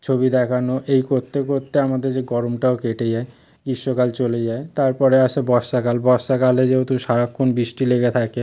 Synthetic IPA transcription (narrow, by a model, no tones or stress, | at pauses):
t͡ɕʰobid̪ɛkʰanoʔejkoɾt̪ʰːekoɾt̪ːeamad̪eɾd͡ʑeɡɔɾomʈaokeʈed͡ʑae | ɡiʃːokalt͡ɕoled͡ʑaet̪aɾpɔɾeaʃebɔʃʃakalbɔsʃakaled͡ʑeot̪uʃaɾakʰːonbɾiʃʈileɡet̪ʰake